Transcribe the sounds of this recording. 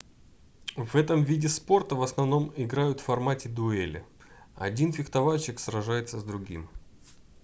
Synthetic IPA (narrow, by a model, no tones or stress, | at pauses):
vɛt̪əmvʲidʲɪspo̞rt̪əvəsnɐvno̞mɪɡɾajʊt̪ffɐrmatʲɪd̪ʊɛlʲɪ̰ | ɐ̰dʲinfʲɪxt̪ɐvalʲt͡ɕɪksrɐʐajɪt̪səzd̪ɾʊɡʲḭm